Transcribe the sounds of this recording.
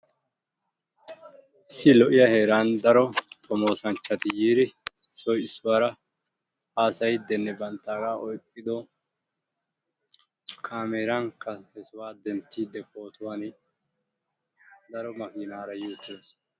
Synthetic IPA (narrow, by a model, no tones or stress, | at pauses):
ʔɪsːɪlɔʔɪjɐheːɾaːnd̪ɐɾɔt̪ʼɔmo̞ːsɐnt͡ʃːɐt̪ɪjiːɾɪɪsːɔjɪsːʊwaːɾɐ | aːsɐjd̪ɛnːɛbɐnt̪ːaːɡaːʔɔjkʼːɪd̪ɔ | kʰaːmeːɾɐŋkːɐhɛswaːd̪ɛnt̪ːiːd̪ːɛko̞ːt̪ʊwan | d̪ɐɾɔmɐkɪnaːɾɐjuːt̪ːɪd̪es